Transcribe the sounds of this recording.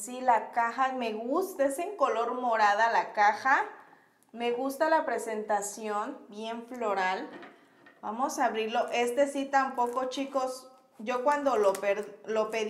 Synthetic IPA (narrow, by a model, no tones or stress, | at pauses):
silakaxameɣust̪aeseŋkoloɾmoɾaðalakaxa | meɣust̪alapɾesent̪asjonbjeɱfloɾal | b̥a̰mosaβɾiɾloʔest̪esit̪ampokot͡ʃikos | ʝokwand̪olopeɾlopeð